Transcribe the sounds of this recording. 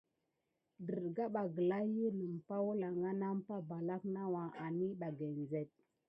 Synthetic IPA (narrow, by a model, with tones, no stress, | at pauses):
də˨ɾɡa˦ɓa˨ɡə˨la˦ju˦lə˨m˨pa˦wu˦la˨ŋɡa˦na˦m˦pa˦ba˨la˦kna˦wa˨ʔa˨ni˦ɓa˨ɡe˨n˨ze˦˨t̚